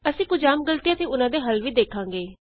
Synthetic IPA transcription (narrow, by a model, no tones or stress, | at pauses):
əsĩːkʊd͡ʒaːmɡəlt̪ijãːt̪eːʊnãːd̪eːɦəlʋiːd̪eːkʰãːŋɡeː